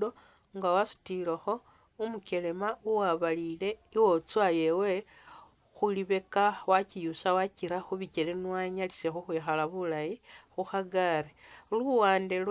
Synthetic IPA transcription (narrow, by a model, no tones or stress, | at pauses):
do | ŋɡawasu̥tilexo̞ | umuke̞le̞mauwaβalile̞iwo̞t͡swaje̞we̞ | xuliβe̞kawacijusawaciɾaxuβicelenwaɲalise̞xuxwiːxalaβulajixuxaɡaɾeluwaːndel